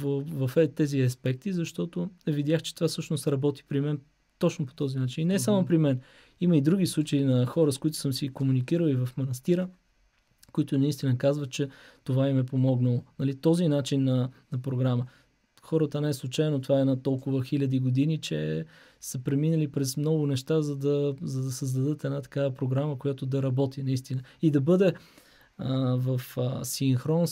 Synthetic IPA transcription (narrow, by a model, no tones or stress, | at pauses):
vvɐfɛt̪ɛziɐspɛk̚t̪izɐʃt̪ɔt̪ʊɛvid̪jaxt͡ʃɛ̥t̪ovasɤʃnost̪ɾɐbɔt̪i̥pɾimɛn | t̪ɔt͡ʃnoʊpo̥t̪ɔzinat͡ʃininɛsamopɾimɛn | iməid̪ɾuɡislˠut͡ʃəinɐxɔɾəskʊit̪ʊ̥səmsikomunikiɾəlˠivɐfmɐnɐst̪iɾə | koit̪ʊnɐist̪inəkazvət̪̚t͡ʃɛt̪ovaimɛpomɔɡnəlˠonɐlit̪ɔzinat͡ʃinːɐnɐpɾoɡɾamə | xɔɾət̪ənɛɛslˠut͡ʃajnot̪ovaɛnat̪ɔlˠkʊvəxilʲɐd̪iɡod̪init͡ʃɛ | səpɾɛminəlipɾɛsmnɔɡʊnɛʃt̪azɐd̪ɐzɐd̪ɐsəzd̪ɐd̪ɤt̪ɛnat̪ɐ̥kavəpɾoɡɾaməkojat̪ʊd̪ɐɾɐbɔt̪inɐist̪inəid̪ɐbɤd̪ɛ | vəfsiŋxɾɔn